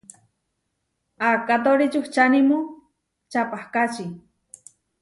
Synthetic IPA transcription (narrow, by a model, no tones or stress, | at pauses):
akat̪̬oɾit͡ʃuht͡ʃanimu | t͡ʃapahkat͡ʃi